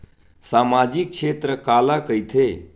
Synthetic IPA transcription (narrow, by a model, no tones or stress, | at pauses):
samad͡ʒik̚t͡ʃʰet̪ɾəkalakəjt̪ʰe